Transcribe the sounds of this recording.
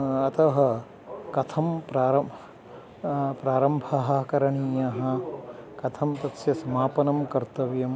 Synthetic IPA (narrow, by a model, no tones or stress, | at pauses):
ɐt̪ʰɐɦɐ | kɐt̪ʰɐmpɾaːɾɐ | pɾaːɾɐmbʱɐɦɐ̆kɐɾɐɳiːjɐɦɐ̆kɐt̪ʰɐmt̪ɐt̪sjɐsɐmaːpɐnɐmkɐɾt̪ɐʋjɐm